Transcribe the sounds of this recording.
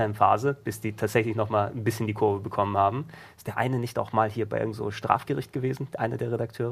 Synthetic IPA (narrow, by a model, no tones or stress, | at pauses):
ɐɪmfa̰ːzəb̥ɪsd̥iːtʰaːtz̥ɛçlɪçnɔχmaːln̩bɪsçəndiːkʰʊɐvəbəkʰɔmənhaːbm̩ɪstd̥eːɐʔa̰ɪnənɪçta̰ʊxmaːlhiːɐbaɪʔɪ̰ɡŋ̩tvo̰ːʃtʁ̥a̰ːfɡ̥əʁɪçt̚ɡ̥əveːzn̩ʔa̰ɪnədeːɐʁ̞edaktʰøːʁə